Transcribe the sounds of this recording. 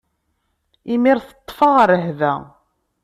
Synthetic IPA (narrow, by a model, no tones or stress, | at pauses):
imiɾθə̥t̪ˤːfɑʁəɾːəɦðæ̰